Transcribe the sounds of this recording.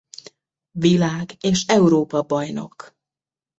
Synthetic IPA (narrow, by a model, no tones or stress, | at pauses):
ʋilaːɡeːʃɛuɾoːpɒbɒjno̞̰k